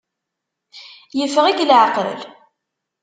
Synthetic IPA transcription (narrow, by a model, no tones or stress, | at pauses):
jəfʁiɡlʕəqɾə̰l